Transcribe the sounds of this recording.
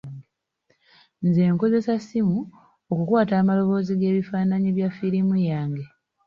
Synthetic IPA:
nze̞ːŋko̞ze̞sasimu | okukwaːtaːmalo̞βo̞ːziɡe̞ːβifaːnaɲiβjafiɾimujaːŋɡe̞

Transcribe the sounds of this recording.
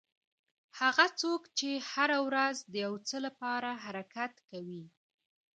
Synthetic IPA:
haɣat͡sokt͡ʃehaɾawɾazd̪əjawt͡səlapɑɾaɦaɾakat̪kawi

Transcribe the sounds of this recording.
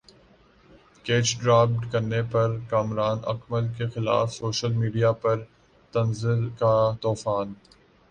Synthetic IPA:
keːt͡ʃɖɾaːp̚ʈkɐɾnepɐɾkaːmɾaːnɐ̰kməlkexɪla̰ːfsoːʃəlmiːɖijapɐɾ | t̪ɐnzɪlkat̪ɔːfaːn

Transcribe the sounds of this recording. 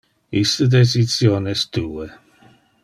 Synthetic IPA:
ist̪əd̪esisjoːnɛst̪uːe

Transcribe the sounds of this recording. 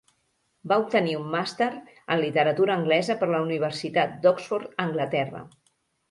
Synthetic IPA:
baup̚t̪əniumːast̪eɾ | ə̰nlit̪əɾət̪uɾəːŋɡlɛzəpəɾləuniβ̞əɾsit̪at̪̚d̪ɔksfɔɾt̪əŋɡlət̪ɛrə̰

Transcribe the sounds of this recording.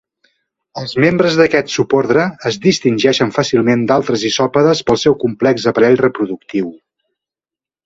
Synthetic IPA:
əlˠzmembɾəzðəkɛt̪supoɾðɾəːzðist̪inʲʒɛʃənfasilˠmend̪alˠt̪ɾəzisɔpəðəspəlˠsɛwkumplɛkzəpəɾɛʎrəpɾuðuk̚t̪iw

